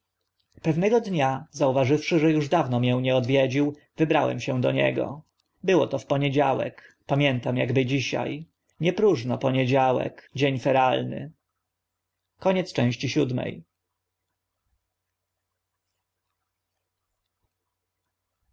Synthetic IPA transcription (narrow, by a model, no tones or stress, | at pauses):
pɛvnɛɡɔd̪ɲazauvaʐɘfʂɘʐɛjuʐd̪avnɔmʲjɛ̃ɲɛɔd̪vʲjɛd͡ʑiw | vɘbɾawɛ̰mɕɛ̃d̪ɔɲɛ̰ɡɔ̰ | bɘwɔ̰t̪ɔfpɔɲɛd͡ʑawɛ̰k | pamʲjɛnt̪amjaɡbɘd͡ʑiɕa̰j | ɲɛpɾuʐnɔpɔɲed͡ʑawɛ̰kd͡ʑeɲfɛɾalnɘ̰ | kɔɲɛt̪st͡ʂɛ̃w̃ɕt͡ɕiɕud̪mɛ̰j